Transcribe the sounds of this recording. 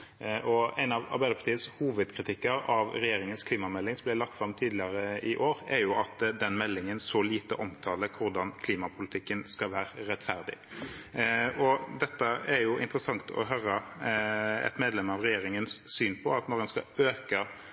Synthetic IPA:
ʔɔæɪnɑʋɑ̰ʁbæɪd̪əɾpʰɑt̪ʰiːəshuːʋəd̪kʰɾɪt̪ɪkːəɾɑʋɾɛjeːɾɪŋənskʰliːmɑmɛlːɪŋsɔmblælɑk̚t̪fɾɑmt̪ʰiːd̪lɪəɾəɪʔoːɾæɾjʊɑt̪d̪ɛnmɛlːɪŋənsɔliːt̪əʔɔmt̪ʰɑːləkʰʊɾd̪ɑnkʰliːmɑpʰʊlɪt̪ʰɪkːənskɑʋæːɾəɾɛt̪ːfæʁd̪ɪ̰ | ʔɔd̪ɛt̪ːəæɾjʊʔɪ̰nt̪əɾəsɑŋt̪ʰɔ̰ɦœːɾə | ɛ̰t̪meːd̪lɛmɑʋʁɛjeːɾɪŋənsːyːnpʰɔɑt̪nɔʁɛnskɑ̰øːkə

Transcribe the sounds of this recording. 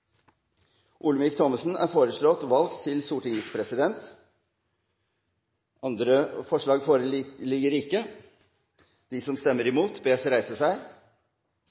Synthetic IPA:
ʔʊlmɪkt̪ʰɔməsn̩æ̰ːɾfoːɾəʂɭɔt̪ʋɑlɡt̪ʰːɪlsuːʈɪŋəspʰɾɛsɪd̪ɛnt̪ | ʔɑnd̪ɾəfɔʂɭɑːɡfoːɾəlɪɡəɾɪkːə | d̪̥iːsɔmst̪ɛmːəɾɪmuːt̪beːsəɾæɪsəsæɪ

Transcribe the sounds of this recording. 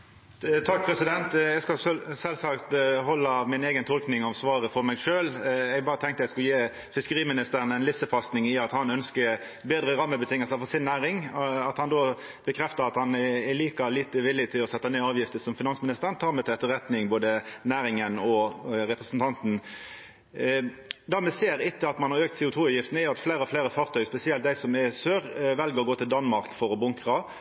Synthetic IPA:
t̪ʰɑk̚pʰɾɛsɪd̪ɛnt̪ɛɡskɑssɛlsɑkt̪hɔlːɑmɪneːɡənt̪ʰɔlknɪŋɑʋsʋɑːɾəfɔɾmɛɡʂøːlɛɡbɑːʁət̪ʰɛŋkt̪əɛɪskʉljeː | fɪskəɾiːmɪnɪst̪əɾənɛɪnlɪfsəfɑst̪nɪŋɪɑt̪hɑnœnskəɾ | beːd̪ɾəɾɑmːəbət̪ʰɪŋːəlsəfɔɾsɪnːæːɾɪŋɑt̪hɑnd̪oː | b̥əkʰɾɛft̪əɾɑt̪hɑnɛliːkɑliːt̪əʋɪlɪt̪ʰɪlɔsɛt̪ːɑneːɑːʋjɪft̪əsɔmfɪnɑnsmɪnɪst̪əʁnt̪ʰɑːɾmɛt̪ʰɛɛt̪ːəɾʁɛt̪nɪŋboːd̪ənæːɾɪŋənɔʁɛpɾəsn̩t̪ʰɑnt̪n̩ | d̪æʁmɛseːɾɪt̪ːəɑt̪mɑnhɑɾøːk̚t̪sɛːʊt̪ʰuːɑjɪft̪n̩ɛjʊɑt̪fleːɾəɔfleːɾəfɑːʁt̪ʰœʏspɛsɪɛlt̪̚d̪æɪsɔmɛsøːɾʋɛlɡəɾɔɡoːt̪ʰɪld̪ɑnmɑɾkfɔɾɔbʊŋkʁɑ

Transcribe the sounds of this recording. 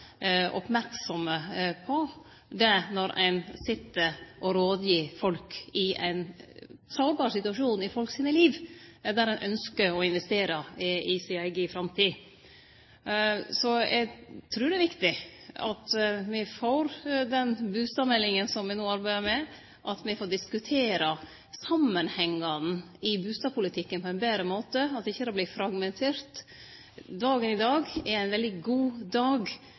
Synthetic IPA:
ʔɔ̰pmæɾksɔməpʰɔ | d̪ɛnɔɾʔæ̰ɪnsɪt̪ːəʔɔɾoːd̪jiːfɔlkɪæ̰ɪnsɑːbɑːɾsɪt̪ʉɑʂuːnɪfɔlksiːnəliːʋd̪æɾɛnʔœnskəɾɔɪnʋɛst̪eːɾəɪsɪɑɪɡifɾɑmt̪ʰiː | sɔjæ̰ɡt̪ʰɾʉːɾɖ̪ɛʋɪkt̪ɪɑ̰t̪mɪfoːɾd̪ɛnbʉːst̪ɑːʋmɛlːɪŋənsɔmʋɪnoːɑɾbæɪd̪əɾmɛ | ʔɑt̪mɪfoːɖɪskʉt̪ʰeːɾə | sɑmːənhɛŋːɑn̩ | ɪbʉːst̪ɑːʋpʰʊlɪt̪ʰɪkːənpʰɔɛnbeːɾəmoːt̪əɑt̪ːɪçːəɑbliːfɾɑɡmɛnt̪ʰeːɾt̪ | d̪ɑːɡənɪd̪ɑːɡɛɾæɪnʋɛld̪ɪɡuːd̪ɑːɡ

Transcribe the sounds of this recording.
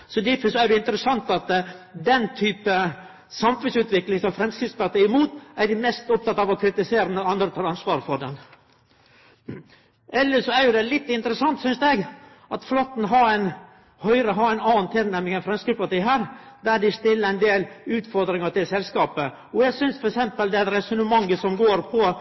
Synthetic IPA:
sɔd̪ɪfəsɔæɾdɛɪnt̪əɾəsɑnt̪ɑt̪d̪ɛnt̪ʰyːpə | sɑmfʉnsʉːt̪ʋɪklɪŋsɔmfɾɛmskispɑɾt̪iɪmuːt̪æɾɖɪmɛst̪ɔp̚t̪ɑt̪ːɑːʋɔkʰɾɪt̪ɪseːɾənəɑnd̪ɾət̪ʰɑːɾɑnsʋɑːɾəfɔɖɛn | ʔɛlːəʂɔæɾjʊd̪ɛlɪt̪ːɪnt̪əɾəsɑnt̪sʏnsd̪ɛɡ | ɑt̪flɔt̪ːn̩ɦɑɾæɪn | hœʏɾəɦɑɾæɪnɑːnt̪ʰɪlnæmɪŋɛnfɾɛmskipɑʈiːɦæːɾd̪æɖɪst̪ɪlːəɾɛɪnd̪eːlʉːt̪fɔɾd̪ɾɪŋɑʈ̪ɪlsɛlskɑːpə | ɔjæɡsʏnsfɔɾɛksɛmpəld̪ɛɛt̪ɾɛsʉnəmɑŋːəsɔmɡoːɾpʰɔ

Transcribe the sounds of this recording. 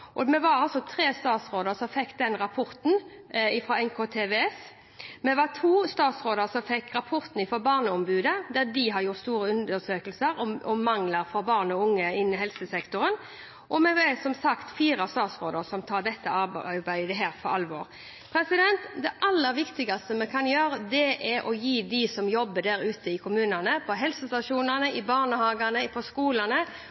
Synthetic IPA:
ʔɔmɛʋɑɾɑlsɔt̪ʰɾeːst̪ɑːt̪sɾoːd̪əɾsɔmfɛkːd̪ɛnɾɑpʰɔɾt̪n̩ | ɪfɾɔɛŋkʰoːt̪ʰeːʋeːɛs | mɛʋɑt̪ʰuːst̪ɑːt̪sɾoːd̪əɾsɔmfɛkːɾɑpʰɔɾt̪n̩ɪfɔɾbɑːʁnəɔmbʉːd̪əd̪æd̪ɪɦɑɾjʊɾt̪st̪uːɾəʉnd̪əsøːkəlsəɾɔɔmɑŋləɾfɔɾbɑːʁnɔʊŋːəɪnːɪɦɛlsəsɛkt̪ʊɾən | ʔɔmɛʋɛsɔmsɑkt̪fiːɾɑst̪ɑːt̪sʁoːd̪əsɔmt̪ʰɑːɖ̪ɛt̪ːəɑbæɪd̪əɦæːɾfɔɾɑlʋoːɾ | pʰɾɛsɪd̪ɛnt̪d̪ɛʔɑlːəɾʋɪkt̪ɪɡɑst̪əmɛkʰɑnjøːɾəd̪ɛʔɛɾʔɔjiːd̪ɪsɔmjɔbːəd̪æɾʉːt̪əɪkʰʊmʉːnənəpʰɔɦɛlsəst̪ɑʂuːnənəʔɪbɑːʁnəhɑːɡɑnəɪpʰɔskuːlənə

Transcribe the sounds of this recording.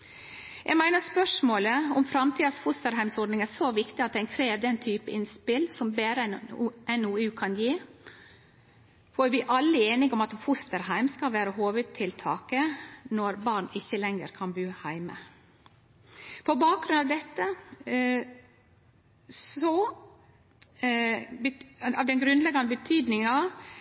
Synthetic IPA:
jʔɛ̰ɡmæɪnəɾspœʂmoːləɔmfɾɑmt̪ʰiːd̪ɑsfʊst̪əɾhæɪmsɔɾɖ̪nɪŋæːsoʋɪkt̪ɪɑt̪̚d̪ɛnkʰɾeːʋd̪ɛnt̪ʰyːpəɪnspɪlsɔmbeːɾəɛnɛnʊʉːkʰɑnjiː | fɔɾʋɪʔɑlːəeːnɪŋɔmɑt̪fʊst̪əɾhɦæɪmskɑlʋæːɾəɦoːʋʉd̪̚t̪ʰɪlt̪ʰɑːkənɔɾbɑɾnɪçːəlɛŋə̰ɾkʰɑnbʉːhæɪmə̰ | pʰɔbɑːk̚ɡɾʉnɑʋd̪ɛt̪ːə | sɔ | ɑʋd̪ɛnɡɾʉnd̪lɛɡɑnəbət̪ʰyːd̪nɪŋənɑ

